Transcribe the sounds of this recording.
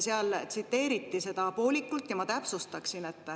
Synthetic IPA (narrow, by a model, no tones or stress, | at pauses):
seɑlt̪sit̪ːe̞ːɾit̪ːise̞d̪̥ɑpo̞ːlikːult̪ːjɑmɑt̪æpsust̪ɑksine̞t̪ːˑ